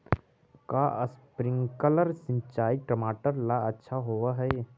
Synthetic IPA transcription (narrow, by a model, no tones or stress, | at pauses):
kaʔəspɾɪ̃ŋɡkələɾsɪ̃ɲt͡ʃaːiʈɾəmaːʈəɾlaɐtːʃʰaɦoːʋaɦɛ